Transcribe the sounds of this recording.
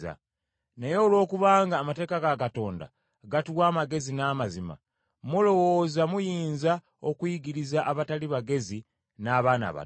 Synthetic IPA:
a̰ | ne̞jo̞ːlwo̞ːkuβaːŋɡaːmate̞ːkaɡakato̞ːnda̰ | ɡatuwaːmaɡe̞zinaːmazima̰ | mulo̞wozamujiːnza | o̞kwiːɡiɾizaʔaβataliβaɡe̞zi | naːβaːna̰βa̰

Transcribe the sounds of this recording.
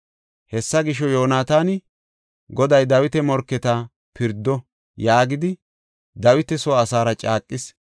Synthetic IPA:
hɛsːɐɡɪʃɔjoːnaːt̪aːnɪ | ɡɔd̪ɐjd̪ɐwɪt̪ɛmɔɾkːɛt̪ɐ | pɪɾd̪ːɔ | jaːɡɪd̪ɪ | d̪ɐwɪt̪ɛsɔːsaːɾɐt͡ʃʼaːkʼːɪs

